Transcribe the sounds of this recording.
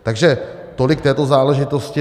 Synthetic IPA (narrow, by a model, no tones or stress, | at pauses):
t̪aɡʒɛ | t̪o̞lɪk̚t̪ɛːt̪ozaːlɛʒɪt̪oscɪ